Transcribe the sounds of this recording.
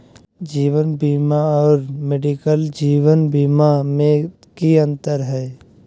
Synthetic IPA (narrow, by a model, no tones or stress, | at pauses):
d͡ʒiːʋənbiːmaɔːɾmeɖikəld͡ʒiːwənbiːmamẽ | kiɐ̃nt̪əɾɦɛː